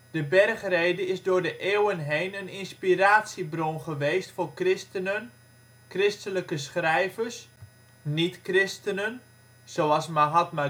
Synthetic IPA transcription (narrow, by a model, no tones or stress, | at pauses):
d̥əbɛrχrejdəɪzdʊːɹdəʔeːwənɦejnənɪnspiraːtsibronχəʋejstfʊːrkrɪstənən | krɪstələkəsχrɛjvərs | nitkrɪstənən | soɑlˠsmaɦɑtma